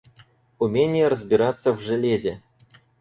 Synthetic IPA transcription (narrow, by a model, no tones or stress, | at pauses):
umʲenʲɪjəɾəzʲbʲiɾat̪səvʐɨlʲezʲe